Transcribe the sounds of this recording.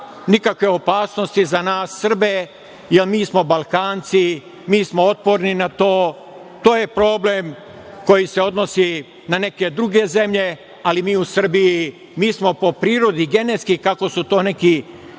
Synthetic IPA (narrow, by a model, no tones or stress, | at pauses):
nikakʋe̞o̞paːsno̞st̪izanaːsːr̩be | jelmiːsmo̞balˠkaːnt̪si | miːsmoot̪̚po̞ɾninat̪oː | t̪o̞ːje̞pɾo̞ːblem | ko̞jise̞o̞d̪no̞si | nane̞ke̞d̪ɾuɡe̞ze̞mʎe̞ | alimiːusr̩biji | miːsmo̞po̞pɾiːɾo̞d̪iɡe̞net̪skikako̞sut̪o̞ːne̞ki